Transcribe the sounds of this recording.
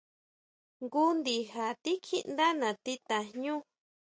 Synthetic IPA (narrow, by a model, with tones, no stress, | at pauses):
ŋɡu˦nd̪i˧ha˨t̪i˦kʰi˦ʔnd̪a˦nã˨t̪i˦˧t̪a˨ɲũ˦